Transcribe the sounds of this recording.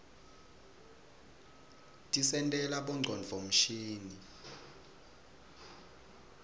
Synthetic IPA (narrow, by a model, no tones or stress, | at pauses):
tʼisɛntʼɛlaɓɔŋ͡ǀʱɔnd͡ɮʱom̩ʃiːni